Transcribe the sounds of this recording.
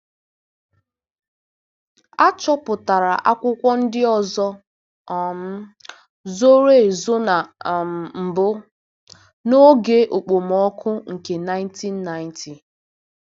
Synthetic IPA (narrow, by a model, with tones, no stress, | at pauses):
a˦t͡ʃɔ˦pʊ˨ta˨ɾa˨ʔa˦kʷʊ˦kʷɔ˦n̩˦dɪ˦ɔ˨zɔ˦˨ | m̩˦ | zo˦ɾe˦˨zo˦na˨m̩˨bʊ˦ | no˦ɡe˦ʔo˨k͡po˨m˨ɔ˦kʰʊ˦ŋ̩˨ke˨na˦ɪ˦nti˦n̩ː˦a˦ɪ˦ntʰi˨